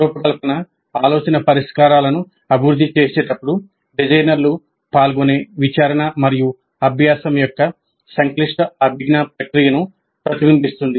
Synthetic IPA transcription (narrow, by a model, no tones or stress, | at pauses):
ɾoːpɐkɐlɐpɐnɐ | aːloːt͡ʃɐnɐpɐɾiʂkaːɾaːlɐnu | ɐbʱiɾud̪ʱːit͡ʃeːseːʈɐpːuɽu | ɖid͡ʒɐjnɐɾlu | paːlɡoneːʋit͡ʃaːɾɐɳɐmɐɾiju | ɐbʱjaːsɐmjɔkːɐ | sɐŋkliʂʈɐbʱiɡnapɾɐkɾijɐnu | pɾɐt̪iʋimpist̪und̪i